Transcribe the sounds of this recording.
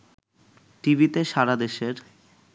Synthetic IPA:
ʈibit̪eʃaɾad̪eʃeɾ

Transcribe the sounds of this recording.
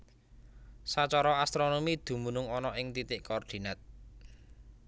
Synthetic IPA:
sat͡ʃɔɾɔast̪ɾonomid̪̥ṳmunʊŋɔnɔʔɪŋt̪it̪ɪʔkɔːrd̪̥i̤nat̪̚

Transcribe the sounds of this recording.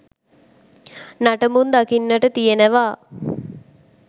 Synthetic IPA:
naʈəmund̪akinːəʈət̪ijenəʋaː

